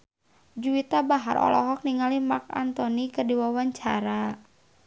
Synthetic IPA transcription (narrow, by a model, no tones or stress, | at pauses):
d͡ʒuit̪abaɦa̰ɾʔɔ̰lɔ̰ɦɔk̚niŋalimak̚a̰nt̪ɔnikədiwawaɲt͡ʃaɾa